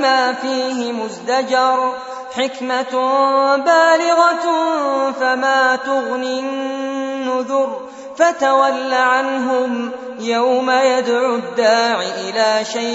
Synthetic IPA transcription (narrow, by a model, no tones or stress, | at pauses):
maːfiːɦɪmʊzd̪ad͡ʒɑɾˤ | ħɪkma | baːlɪɣɑ | famaːt̪ʊɣnɪnːʊðʊɾ | fat̪awalːaʕanɦʊm | jawmajad̪ʕʊd̪ːaːʕɪʔɪlaːʃaj